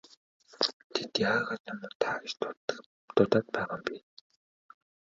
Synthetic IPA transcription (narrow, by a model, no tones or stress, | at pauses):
t̪ʰet̪jaːʁaːt̪amʊt̪ʰaːt͡ɕ | t̪ʊt̪aːt̪̚pæːʁaːmpiːn